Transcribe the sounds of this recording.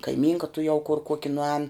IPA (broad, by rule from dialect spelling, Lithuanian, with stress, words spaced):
kɐɪˈmʲiːŋkɐ tʊˈjɛʊ kʊr ˈkuɔkʲɪ nʊˈɛːn